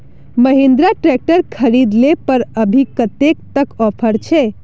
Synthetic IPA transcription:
məɦend̪ɾaʈɾɛk̚ʈəɾkʰəɾid̪lepəɾəbʱikət̪ekt̪əkɔpʰəɾt͡ʃʰɛ

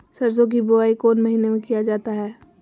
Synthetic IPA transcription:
sɐɾzõk̬ibʊaːikoːnmɐɦiːnemẽkijad͡ʒaːt̪aɦɛː

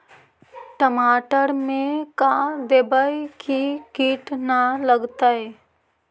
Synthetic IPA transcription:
ʈəmaːʈəɾmẽkad̪ebaikikiːʈnaləɡt̪aɦɛː

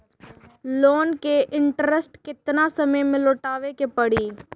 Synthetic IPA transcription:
loːnkeʔɪ̃ɳʈɾəsʈkɪt̪nasəməjmẽloːʈaːʋekepəɽiː

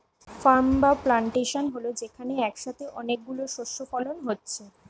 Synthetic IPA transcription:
faɾmbaplaɳʈeʃonɦolod͡ʑekʰaneɛkʃat̪ʰeʔɔnek̚ɡuloʃoʃofalonɦotːɕʰe

